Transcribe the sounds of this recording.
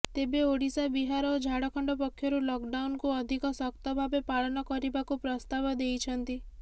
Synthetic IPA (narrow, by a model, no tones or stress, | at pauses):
t̪ebeoɽisabiɦaɾɔːd͡ʒʱaɽɔkʰɔɳɖɔpɔkʰːjɔɾulɔkɖawnkuɔd̪ʱikɔsɔkt̪ɔbʱabepaɭɔnɔkɔɾibakupɾɔst̪abɔd̪ejt͡ʃʰɔnt̪i